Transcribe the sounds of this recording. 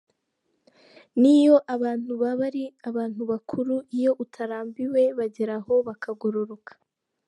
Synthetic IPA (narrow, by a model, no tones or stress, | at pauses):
nijo̞ʔaβaːn̥huβaβaɾiaβaːn̥huβakʰuɾuijo̞ʔutʰaɾaːmbiwe̞βaɟeɾaho̞βakaɡoɾo̞ɾo̞kʰḁ